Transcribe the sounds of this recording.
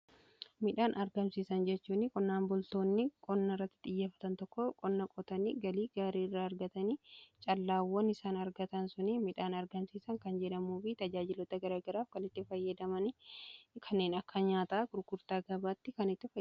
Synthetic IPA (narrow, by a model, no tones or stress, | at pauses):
mɪᶑaːnʔɐɾɡɐmsiːsɐnd͡ʒɛt͡ʃːuːnːɪkʼɔnːaːnbʊlt̪o̞ːnːɪkʼɔnːɐɪrːɐt̪ːɪ̥ᶑ̪ɪjːeːfɐ̥t̪ɐnt̪ɔkːɔkʼɔnːɐkʼɔt̪ɐniɡɐliːɡaːɾiːɪrːaːɐɾɡɐt̪ɐnit͡ʃʼɐlːaːwːɔnɪsaːnɐɾɡɐt̪ɐnsʊnɪmɪᶑaːnɐɾɡɐmsiːsɐŋkɐnd͡ʒɛᶑɐmuːfɪt̪ɐd͡ʒaːd͡ʒɪlɔt̪ɐɡɐɾaːɡɐɾaːfkɐnɪt̪ːɪfɐjːɐd̪ɐmɐnɪkʰɐnːe̞ːnɐkːɐɲaːt̪aːɡʊɾɡʊɾt̪aːɡɐbaːt̪ːɪkɐnɪt̪ːɪfɐ